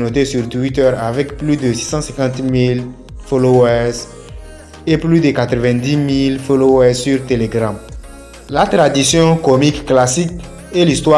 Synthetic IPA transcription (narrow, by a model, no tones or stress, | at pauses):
not̪esyʁt̪wit̪ɛʁavɛkplyd̪əsi̥sɑ̃sɛ̃kɑ̃t̪mil | foloɛz | eplyd̪ekat̪ɾəvɛ̃d̪imilfolowɛzsyʁt̪eleɡʁãm | lat̪ʁad̪isjɔ̃komikːlasik | elist̪wa